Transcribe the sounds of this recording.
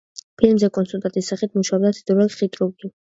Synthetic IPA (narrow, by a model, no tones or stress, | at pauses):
pʰilmzɛkʼɔnsult̪ʼat̪ʼisːaχit̪ʰmuʃaɔbd̪at̪ʰid̪ɛlχit̪ʼɾuɡi